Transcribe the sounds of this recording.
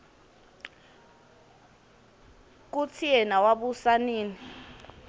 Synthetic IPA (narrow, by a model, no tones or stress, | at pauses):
k̬ut͡sʰiɛnawaɓusaniːni